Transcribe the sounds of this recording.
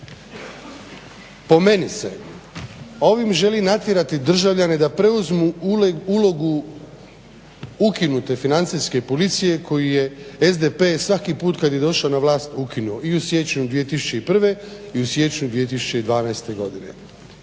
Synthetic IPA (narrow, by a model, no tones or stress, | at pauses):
po̞me̞nise̞̰ | o̞ʋimʒe̞linat̪jeɾat̪id̪r̩ʒaʋʎane̞d̪apɾe̞uzmuulo̞ɡu | ukinut̪e̞finant̪siske̞polit̪sije̞kʰo̞jije̞ezd̪e̞pesʋakipuːt̪kad̪je̞d̪o̞ʃanaʋlaːst̪ukinuo̞iusje̞t͡ʃɲud̪ʋije̞t̪isu̥t͡ɕe̞ipr̩ʋe̞ | iusje̞t͡ʃɲud̪ʋije̞t̪̬isut͡ɕe̞id̪ʋaːnaest̪e̞ɡo̞d̪ine̞̰